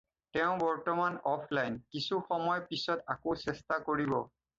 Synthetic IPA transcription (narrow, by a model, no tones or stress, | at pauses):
tɛʊ̃bɔɹtɔmanɔpʰlajnkisuxɔmɔjpisɔtakosɛstakoɹibɔ